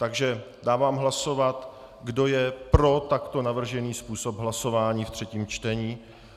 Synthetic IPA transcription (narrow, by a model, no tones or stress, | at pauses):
t̪aɡʒɛ | daːvaːmɦlaso̞vat̪ | ɡdo̞jɛpɾo̞t̪akt̪o̞navr̩ʒɛniːspuːso̞pɦlaso̞vaːɲiːft̪r̥ɛciːmt͡ʃt̪ɛɲiː